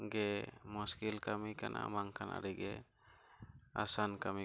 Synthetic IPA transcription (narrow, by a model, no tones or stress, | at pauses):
ɡɛmuskilkamikanʔa̰maŋkʰana̰ɾɛɡɛ | a̰sankami